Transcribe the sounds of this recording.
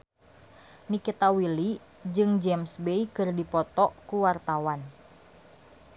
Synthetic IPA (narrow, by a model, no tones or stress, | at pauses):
nikit̪awili | d͡ʒɨŋd͡ʒɛmsbeikɨrdipɔt̪ɔkuwart̪awan